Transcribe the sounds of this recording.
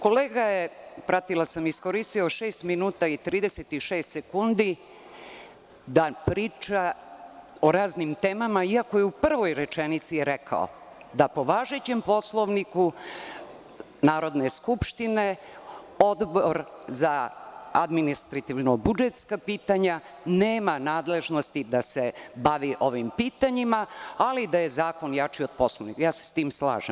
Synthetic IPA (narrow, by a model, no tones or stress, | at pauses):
ko̞leːɡajepɾat̪ilasamisko̞ɾist̪io̞ʃeːst̪minuːt̪ait̪ɾiːd̪eset̪iʃeːst̪sekund̪i | d̪apɾiːt͡ʃa | oɾaːznimt̪eːmamaiako̞jeupr̩ʋo̞jɾe̞t͡ʃenit̪sijɛɾɛkʰa̰o̰ | d̪apo̞ʋaːʒe̞t͡ɕempo̞slˠo̞ʋniku | naːɾo̞d̪neskupʃt̪ine̞ | o̞d̪boɾzaa̰d̪minist̪ɾat̪iʋnobud͡ʒet̪skapiːt̪aɲa | neːmanaːd̪le̞ʒno̞st̪id̪ase̞baʋiʔo̞ʋimpiːt̪aɲimaalid̪aje̞zaːko̞njat͡ʃiod̪̚po̞slˠoʋnikajaːse̥st̪iːmsla̰ːʒem